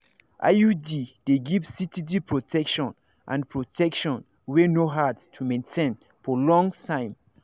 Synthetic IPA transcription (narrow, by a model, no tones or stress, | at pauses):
ʔa̰judid̥eɡivsitidipʰɹotʰɛkʃɔ̃n | ʔã̰npʰɹotʰɛkʃɔ̃n | wenoɦatstʰumẽntʰẽn | fɔlɔ̃ŋtʰãɪ̃m